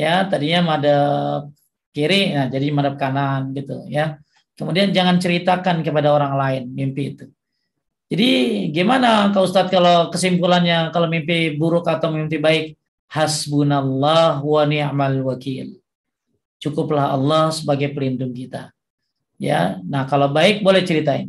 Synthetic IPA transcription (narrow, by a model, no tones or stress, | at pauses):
jat̪adiɲamadap̚ | kiɾɪnad͡ʒadimadap̚kananɡit̪ṵja | kəmudiand͡ʒaŋant͡ʃəɾit̪akankəpadaoɾaŋlaɪnmimpiːt̪u | d͡ʒadiɡamanakaust̪at̪̚kalakəsimpulanɲakalomimpibuɾʊkat̪awmimpibaɪk̚ | hasbunalːahwanɪʕmalwakil | t͡ʃukʊplahɑ̰lːɔhsəbaɡajpəlindʊŋkit̪a̰ | ja̰nahkalawbaɪk̚bolɛht͡ʃəɾit̪aɪ̰n